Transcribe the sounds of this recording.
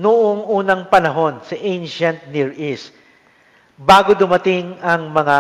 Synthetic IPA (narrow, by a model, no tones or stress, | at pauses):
nʊʔoŋuːnɐŋpɐnɐɦo̞nsɐʔẽjnʃɐnt̪̚niɹʔis | baːɡod̪ʊmɐt̪ɪŋɐŋmɐŋa